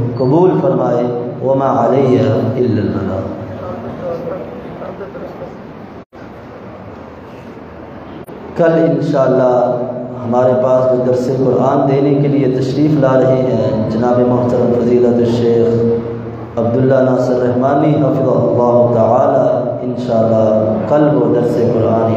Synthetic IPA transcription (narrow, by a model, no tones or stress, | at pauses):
qʊbuːlfɐɾmaːewɐmãːɐlɐjjaɪlːɐlmɐna̰ː | kɐlɪnʃaːɐlːaɦɦɐmaːɾepaːsk̪od̪ɐɾseqʊɾʔaːnd̪eːnekeliet̪ɐʃɾiːflaːɾɐɦiɦɛ̃ːd͡ʒɐnaːbemʊɦt̪ɐɾɐmfɐziːlət̪ʃeːx | ɐb̚d̪ʊlːanaːsɪɾːɐɦmaːniɦɐfɪd̪ɐɦʊlːɑːɦʊt̪ɐʕaːlaːɪnʃaːɐlːɑkɐlbod̪ɐɾseqʊɾaːn